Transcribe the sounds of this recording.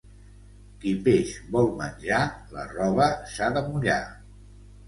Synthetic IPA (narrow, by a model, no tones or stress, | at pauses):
kipeʃbɔlˠmənʲʒalə̰rɔβəsaðəmuʎa